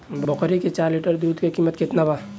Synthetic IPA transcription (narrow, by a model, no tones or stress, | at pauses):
bɔkɾiket͡ʃaːɾliʈəɾd̪uːd̪kekimət̪ket̪naba